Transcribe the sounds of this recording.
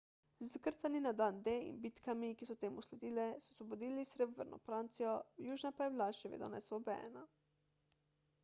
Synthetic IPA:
zakəɾt̪saninad̪and̪eḭnbit̪kamikisɔt̪eːmuslɛd̪iːlɛsɔ̥sʋɔbod̪iːlisɾebʋəɾnɔ̰fɾant̪sijɔwjuːʒnapajɛbilaʃɛʋḛd̪ɔ̰nɛ̰sɔbɛ̰na

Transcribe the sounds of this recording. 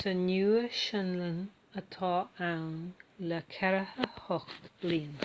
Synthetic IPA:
sʰənjuəʃənlən | ət̪ʰɔːawnləkʰɛɾəhəhɔktlin

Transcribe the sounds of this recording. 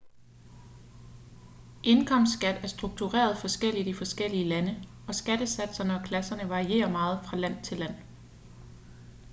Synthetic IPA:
ʔe̝nkʰɒ̽m̰sd̥sɡ̥æd̥æɐsd̥ʁuɡ̥̚t͡sʰuʁɛ̰ːɐð̞ˠfɒ̽sɡ̥el̰id̥ifɒ̽sɡ̥el̰iəlænə | ɒ̽sɡ̥æd̥əsæd̥sɐnɒkʰlæsɐnəʋɑ̈ʁie̝̰ːɐmɑ̈ːð̩ˠfʁɑ̈læn̰t͡sʰe̝læn̰

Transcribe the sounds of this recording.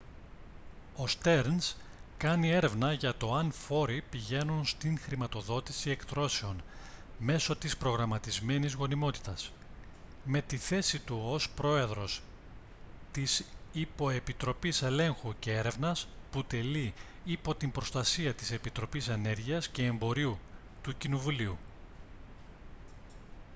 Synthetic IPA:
o̞st̪e̞ɾns | kɐnie̞ɾe̞vnɐʝɐt̪o̞ɐnfo̞ɾipiʝe̞nunst̪iŋxɾimɐt̪o̞ðo̞t̪isie̞kt̪ɾo̞se̞o̞n | me̞so̞t̪ispɾo̞ɣɾɐmɐt̪izme̞nizɣo̞nimo̞t̪i̥t̪ɐs | me̞t̪iθe̞sit̪uospɾo̞e̞ðɾo̞s | t̪isipo̞e̞pit̪ɾo̞pise̞le̞ŋxuce̞e̞ɾe̞vnɐsput̪e̞li | ipo̞t̪imbɾo̞st̪ɐsiɐt̪ise̞pit̪ɾo̞pise̞ne̞ɾʝiɐsce̞ːmbo̞ɾiu | t̪ucino̞vuliu

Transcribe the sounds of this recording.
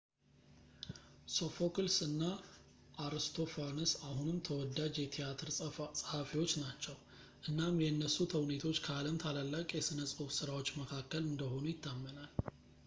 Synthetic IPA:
sofokɨlsɨnːa | ʔːɾɨst̪ʰo̞fanɨsaɦunɨmt̪ʰəwɔd̪ːad͡ʒjɛt̪ʰijat̪ʰɨɾsʼəhafiwo̞t͡ʃːnat͡ʃːɛw | ʔɨnːamjɛnːəsːut̪ʰəwnet̪ʰo̞t͡ʃːkʰəaləmt̪ʰalalːakʼjɛsɨnəsʼusɨɾawo̞t͡ʃːməkʰakːəlɨnd̪əho̞nujɪt̪ʰːamːənal

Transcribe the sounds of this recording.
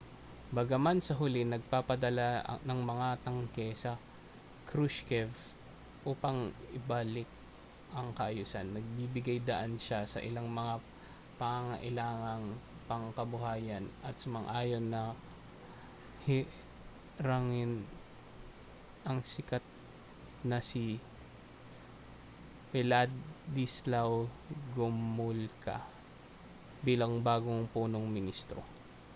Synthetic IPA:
bɐɡɐmansɐɦʊlɪnɐɡ̚papɐd̪ɐla̰nɐŋmɐŋat̪ɐŋkɛsɐ | kɾuʃkɛv | ʔuːpɐŋɪbaːlɪk̪̚ | ʔɐŋkɐʔɐjuːsanːɐɡ̚bibɪɡajd̪ɐʔanʃasɐ̰ʔɪlaŋmɐŋa | pɐŋaŋɐʔɪlaːŋɐŋpɐŋkɐbʊɦaːjɐnʔɐt̪sʊmɐŋʔaːjo̞nːɐ | hɪ | ɾaŋɪn | ʔɐŋsɪkat̪̚ | nɐsi | pɛlad̪islaw | ɡʊmmʊlka̰ | biːlɐŋbaːɡoŋpuːnoŋmɪnist̪ɾo̰

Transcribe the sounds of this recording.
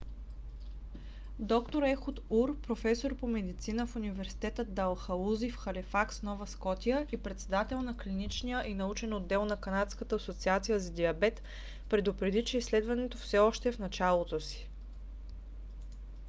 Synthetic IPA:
d̪ɔkt̪oɾɛxut̪uɾpɾofɛsoɾpomɛd̪it̪sinəfunivɛɾsi̥t̪ɛt̪əd̪ɐlˠxɐluzifxɐlifaksnɔvəskɔt̪ijəʔipɾɛt̪sɛd̪at̪ɛlˠnɐklinit͡ʃnijəʔinɐut͡ʃɛnod̪ːɛlˠnɐkɐnat̪skət̪əːsot̪siat̪sijəzɐd̪iɐbɛt̪ | pɾɛd̪ʊpɾɛd̪it͡ʃɛisːlɛd̪vɐnɛt̪ofsɛɔʃt̪ɛfnɐt͡ʃalˠot̪osi̥

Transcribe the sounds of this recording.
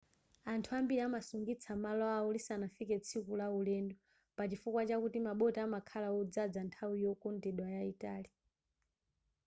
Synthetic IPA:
antʰuambiɾiamasuŋɡit͡sʰamalɔaulisanafikɛt͡sʰikulaulɛndɔ | pat͡ʃifukwat͡ʃakutimaɓɔtɛamakʰalaɔd͡zad͡zantʰawijɔkɔndɛɗwajaitaːli

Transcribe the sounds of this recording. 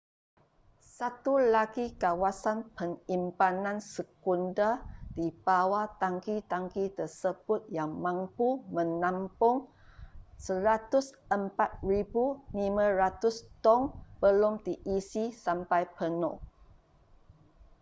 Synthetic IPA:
sat̪ulaɡikawasanpəŋimpanãnsəkundad̥ib̥awat̪aŋkit̪aŋkit̪ərsəb̥ʊt̪̚jaŋmãmpumə̃nãmpʊŋ | səɾat̪ʊsəmpat̪̚ribunimãrat̪ʊst̪ɔŋbəlʊmd̪iʔisisampajpənɔ̰

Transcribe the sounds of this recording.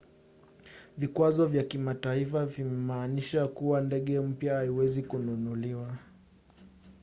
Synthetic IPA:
vikwazɔvjakimataifavimɛmaːniʃakuwandɛɠɛm̩pjahaiwɛzikununuliwa

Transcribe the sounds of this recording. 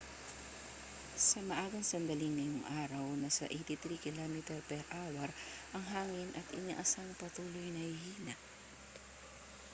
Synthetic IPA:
sɐmɐʔaːɡɐŋsɐnd̪ɐlɪŋmɪjʊŋʔaːɾɐwnɐsɐ̰ʔejt̪ɪt̪ɾikɪlamɛt̪ɛɾpɛɾʔawɐɾʔɐŋɦaːŋɪnʔɐt̪ʔɪɲa̰ʔɐsaŋpɐt̪uːlojnɐhhiːnɐʔ

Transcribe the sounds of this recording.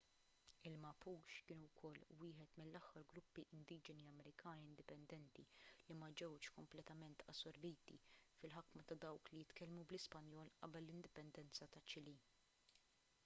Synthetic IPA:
ɪlmɐpuːʃkɪːnuwkʰɔlːwɪːħɛt̪mɪlːɐħːɐɾɡɾʊpːiʔɪnd̪iːd͡ʒɛniɐmɛɾɪkʰɐːniɪnd̪ɪpɛnd̪ɛnt̪ilimɐd͡ʒɛwt͡ʃkɔmplɛt̪ɐmɛnt̪ɐ̰sːɔɾbiːt̪ḭfɪlħɐkmɐt̪ɐd̪ɐwklijɪt̪kɛlmublɪspɐnjɔːlʔɐ̰bɛlːɪnd̪ɪpɛnd̪ɛnt͡sɐt̪ɐt͡ʃːɪliː

